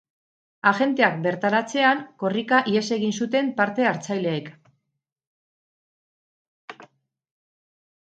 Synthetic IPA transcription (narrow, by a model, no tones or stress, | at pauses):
axe̞nt̪e̞ak̚be̞ɾt̪aɾat͡se̞aŋko̞rikaʔie̞se̞ɣinsut̪e̞mpaɾt̪e̞aɾt͡sajle̞ːk